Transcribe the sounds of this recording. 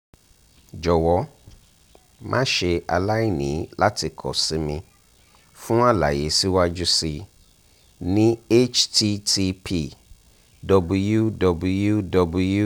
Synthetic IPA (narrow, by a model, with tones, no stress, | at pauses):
d͡ʒɔ˨wɔ˨˦ | mʔã˦ʃe˧a̰˧la˦i˦˨nĩ˨˦la˦ti˧kʰɔ̰˨si˨˦mĩ˧ | fũ˦a˦la̰˨je˨˦si˦wa˦d͡ʒu˦si˧ | nĩ˦e˦t͡ʃti˧tʰi˧pʰi˧ | dɔ˧bu˧ju˦dɔ˧bu˧ju˦dɔ˧bu˧ju˦